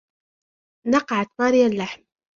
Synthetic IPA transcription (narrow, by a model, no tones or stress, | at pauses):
nɑqɑʕat̪maːɾɪjalːaħm